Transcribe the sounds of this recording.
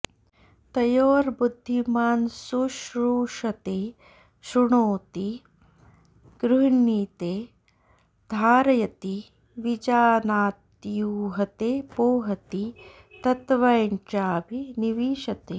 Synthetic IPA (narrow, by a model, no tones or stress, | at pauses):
t̪ɐjoːɾbud̪ʱːimaːnsuʃɾuːʂɐt̪eː | ʃɾuɳoːt̪i | ɡ̥ɾuɦiɳːiːt̪eː | d̪ʱaːɾɐjɐt̪i | ʋid͡ʒaːnaːt̪juːɦɐt̪eːpoːɦɐt̪i | t̪ɐt̪ʋɐjnt͡ʃaːbʱiniʋiːʃɐt̪eː